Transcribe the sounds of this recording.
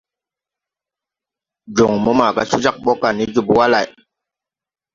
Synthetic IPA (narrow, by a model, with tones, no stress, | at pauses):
d͡ʒu˨ŋmɔ˨˦ma˨ka˦su˦d͡ʒa˦k̚ɓo˦ka˨ni˦d͡ʒu˨pu˦wa˦la˨j